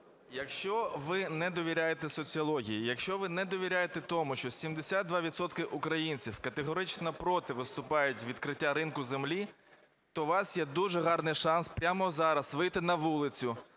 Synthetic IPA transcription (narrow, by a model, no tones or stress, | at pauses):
jɐkʃt͡ʃɔʋɪnɛd̪ɔʋʲiɾʲajet̪ɛsɔt͡sʲiɐlˠɔɦʲijijɐkʃt͡ʃɔʋɪnɛd̪ɔʋʲiɾʲajet̪ɛt̪ɔmʊʃt͡ʃɔsʲimd̪esʲad̪̚d̪ʋɑʋʲid̪sɔt̪kɪʔʊkɾɐjinʲt͡sʲiwkɐt̪eɦɔɾɪt͡ʃnɐpɾɔt̪ɪʋɪst̪ʊpɑjʊtʲʋʲid̪kɾɪtʲːaɾɪnkʊzemlʲi | t̪ɔʋɑsjɛd̪uʒɛɦɑrnɪjʃɑnspɾʲamɔzɑɾɐsʋɪjt̪ɪnɐʋulˠɪt͡sʲʊ